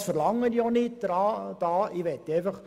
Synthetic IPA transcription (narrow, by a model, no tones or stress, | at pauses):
sfəɾlɑŋːənjonɪt̚d̪̥ɾɑːd̥ɑːɪʋɛt̪ːɛjfɑχ